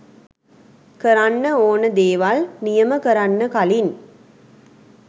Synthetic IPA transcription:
kəɾanːəoːnəd̪eːʋalnijɐməkəɾanːəkalin

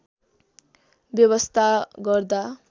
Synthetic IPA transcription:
bjʌβʌst̪ʰaɡʌrd̪a

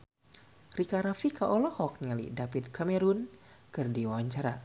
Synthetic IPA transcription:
rikaɾafikaʔɔlɔhɔk̚nialḭdapid̪kamɛɾunkɨrdiwawaɲt͡ʃaɾa

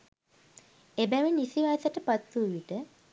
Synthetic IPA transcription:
ebæʋinisiʋaːsəʈəpat̪ːuːʋiʈə

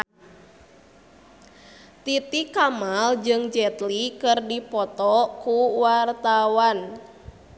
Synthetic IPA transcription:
t̪it̪ikamald͡ʒɨŋd͡ʒɛt̪likɨrdipɔt̪ɔkuwart̪awan

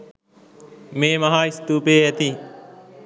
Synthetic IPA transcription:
meːmɐɦaːist̪uːpeːæt̪i

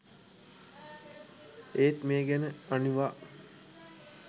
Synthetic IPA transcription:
eːt̪meːɡænəaniʋaː

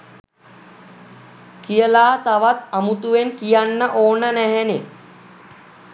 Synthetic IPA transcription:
kijəlaːt̪aʋat̪amut̪uʋenkijanːəʔoːnənæɦɛne

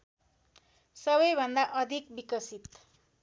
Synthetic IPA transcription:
sʌβʌjbʱʌnd̪aʔʌd̪ʱik̚bikʌsit̪

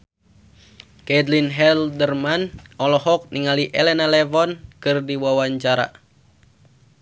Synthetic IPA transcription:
kɛdlinɦɛldərmanɔlɔɦɔk̚niŋaliʔɛlɛnalɛvɔnkɨrdiwawaɲt͡ʃaɾa̰

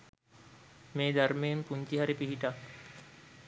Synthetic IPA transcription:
meːd̪ʱɐɾmeːmpuɲt͡ʃiɦɐɾipiɦiʈa

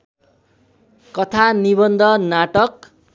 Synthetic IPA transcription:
kʌt̪ʰanibʌnd̪ʱʌnaʈʌk

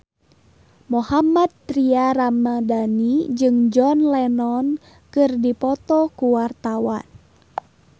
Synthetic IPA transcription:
mohamad̪̚t̪ɾiaramadanid͡ʒɨŋd͡ʒɔnlɛnɔn | kɨrdipɔt̪ɔkuwart̪awan

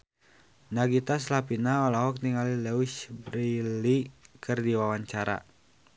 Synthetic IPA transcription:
naɡit̪as̬lapinaɔlaɦɔk̚niŋalilɛwiʃbɾilikʰɨrdiwawaɲt͡ʃaɾa̰

